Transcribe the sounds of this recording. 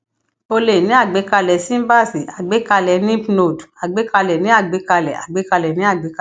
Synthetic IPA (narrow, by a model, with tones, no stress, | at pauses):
o˧le˨nĩ˨˦a˦˨ɡ͡be˨˦ka˧lɛ˨˦sĩ˦ba˦˨si˨a˨ɡ͡be˨˦ka˧lɛ˨˦nĩ˦pno˧˨du˨a˨ɡ͡be˨˦ka˧lɛ˨nĩ˨˦a˦˨ɡ͡be˨˦ka˧lɛ˨a̰˨ɡ͡be˨˦ka˧lɛ˨nĩ˨˦a˦˨ɡ͡be˨˦ka˧˨